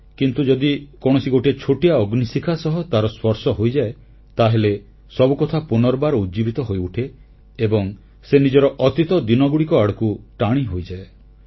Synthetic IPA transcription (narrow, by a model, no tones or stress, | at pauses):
kint̪ud͡ʒɔd̪ikɔɽ̃ɔsiɡoʈiet͡ʃʰoʈijaɔɡnisikʰasɔɦɔt̪aɾɔswɔɾsɔɦojd͡ʒae | t̪aɦele | sɔbukɔt̪ʰapunɔɾɔbaɾɔud͡ʒibit̪ɔɦojuʈʰeː | bɔŋ | senid͡ʒɔɾɔʔɔt̪it̪ɔd̪inɔɡuɽikɔaɽɔkuʈaɽ̃iɦojd͡ʒae